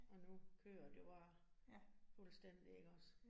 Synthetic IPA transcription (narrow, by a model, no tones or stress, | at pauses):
ʔɒ̽nukʰø̰ːɐd̥ejob̥ɑ̈ː | fulsd̥en̰d̥ie̝ɡ̥əɒs